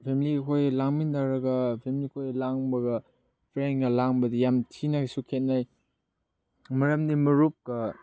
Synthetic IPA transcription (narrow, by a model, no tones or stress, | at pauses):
pʰemilikʰojlaŋmindaɾɐɡɐpʰemilikʰojlaŋbɐɡɐ | pʰɾenɡɐlaŋbɐdijamtʰinasukʰet̚naj | mɐɾɐmdimɐɾup̚kɐ